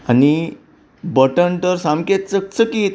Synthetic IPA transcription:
ani | bəʈəɳʈ̪əɾsamket̪̚t͡sək̚t͡səkiːt̪

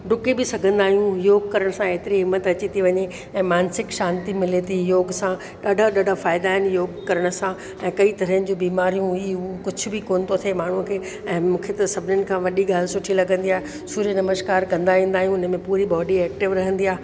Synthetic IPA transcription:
ɖʊkibɪsɐɡʱə̃nd̪aːɦijũjoːɡ̚kɐɾəɽ̃sãeːt̪ɪɾiɦɪmːət̪ɐt͡ɕit̪iʋɐɲe | ɛ̃ːmaːnsɪkʃaːnt̪imɪlet̪ʰijoːɡsã | ɗaːɖʱaɗaːɖʱafaːɪd̪aːɦɪnjoːɡkɐɾəɽ̃ə̆sã | ɛ̃ːkɐit̪ɐɾəənɪ̆d͡ʑũbiːmaːɾijũiʊokʊd͡ʑʱʊbɪkoːnt̪ʰot̪ʰemaːɳ̤ũkʰeː | ɛ̃ːmũːkʰet̪ɐsɐbʱɪnənɪ̆kʰãːʋɐɗiɡaːl̤ɪsʊʈʰilɐɡə̃nd̪iaːɦe | suːɾijənɐməʃkaːɾkɐ̃nd̪aːʋĩːn̆d̪aːɦijũʊnəmẽpuːɾiɓɔːɖiɛːk̚ʈɪʋɾɐɦə̃nd̪iaːɦe

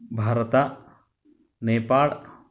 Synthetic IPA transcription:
bʱaːɾɐt̪a | neːpaːɭ

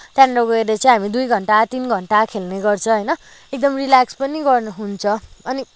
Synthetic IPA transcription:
t̪jãnɾoɡʌeɾʌt͡sʌĩɦamid̪ujɡʱʌɳʈat̪inɡʱʌɳʈakʰelneɡʌrt͡sʰʌ̃ɦʌjnʌ | ek̚d̪ʌmrilakspʌniɡʌrnuɦunt͡sʰʌʌni

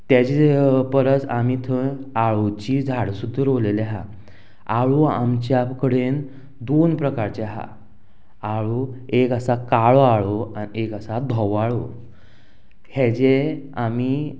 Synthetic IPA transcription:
t̪jat͡ɕepəɾət͡samit̪ʰəaɭot͡ɕid͡zʱaɽsud̪ʱːəɾoleleɦa̰ | aɭua̰mt͡ɕjakəɽen | d̪onpɾəkaɾt͡ɕaɦa̰ | aɭuekasakaɭoaɭoanekasad̪ʱɔʋaɭo | hed͡ʑeami

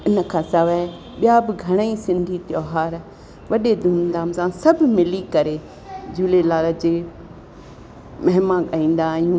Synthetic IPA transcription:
ɪnəkʰãːsɐʋɛ | ɓijabɪɡʱɐɽ̃əisɪ̃nd̪ʱit̪joːɦaːɾ | ʋɐɗed̪uːnd̪aːmsãsɐbʱmɪlikɐɾe | d͡ʑuːlelaːləd͡ʑeː | mɐɦmãɠaːĩːn̆d̪aːɦijũː

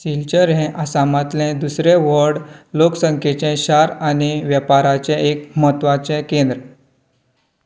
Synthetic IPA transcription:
silt͡ɕəɾɦɛ̃ʔasamat̪lɛ̃d̪usɾeʋəɾɖloksəŋkʰet͡ɕɛ̃ɕaɾaniʋjəpaɾat͡ɕɛ̃ekmət̪ʋat͡ɕɛ̃kend̪ɾə

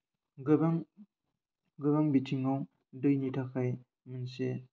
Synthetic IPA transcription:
ɡbaŋ | ɡɯbaŋbitʰiŋaw | dɯjnitʰakːaj | mənse

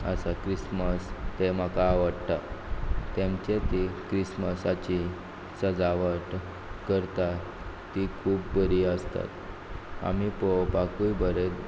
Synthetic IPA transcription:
əsakɾisməst̪em̤akaːʋəɽt̪at̪ẽmt͡ɕet̪ikɾisməsat͡ɕi | səd͡zaʋəʈ | kəɾt̪a | t̪ːikʰuːpbəɾiəst̪a̰t̪ | a̰mipopakujbəɾet

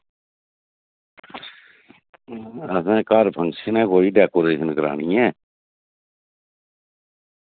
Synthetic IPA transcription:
əsãːkaːɾpʰəŋsənɛ̃ːkoːiːɖɛːkoːɾeːʃənkəɾa̰ːɳ̃iːɛ̃ː

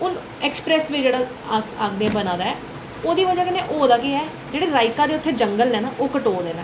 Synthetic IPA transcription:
ʊn | ɛːkspɾɛːsʋɪt͡ʃd͡ʒeːɽaː | asaːkʰd̪eːɛ̃bənãːd̪aːɛː | oːd̪iːʋəd͡ʒaːkɪnẽːʔoːd̪aːkɪɛː | d͡ʒeːɽeːɾaːɪkãːd̪eːʊt̪ʰːeːd͡ʒəŋɡəlnɛ̃ːnaːʔoːkəʈoːd̪eːnɛː

